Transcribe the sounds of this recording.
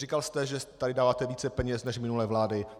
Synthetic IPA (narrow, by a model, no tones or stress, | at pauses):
rikalst̪ɛʒɛt̪adɪdaːvaːt̪ɛviːt͡sɛpɛɲɛsnɛʃmɪnulɛːvlaːdɪ